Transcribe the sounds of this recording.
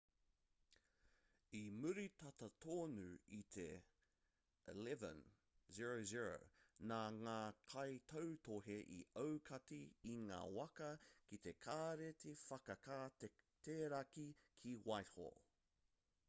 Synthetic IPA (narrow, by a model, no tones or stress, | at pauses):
imʉɾit̪ɐt̪ɐt̪ʰoːnʉit̪ʰe | elɛvə̰̃n | ziɹoziɹo̰naŋaːkʰɐjt̪ʰɐwt̪oɦeʔḭɐwkʰɐtiiŋa̰ːwɐkɐkit̪ekʰaːɾet̪ʰefɐkɐkat̪ʰeːɾɐkikʰiwajho̰